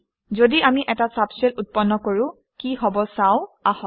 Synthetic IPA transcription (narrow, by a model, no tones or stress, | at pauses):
zodiamiʔɛtasapsɛlut̚pɔnːɔkoɹʊ̃ | kiɦɔbɔsaʊ̃ahɔ